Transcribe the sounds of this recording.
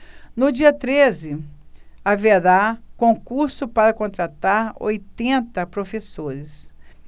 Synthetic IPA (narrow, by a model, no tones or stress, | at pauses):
nʊd͡ʒiɐt̪ɾezɪ | aved̪akõkuɾsʊpaɾɐkõnt̪ɾat̪aɾo̰jt̪ẽnt̪ɐpɾofesoɾɪs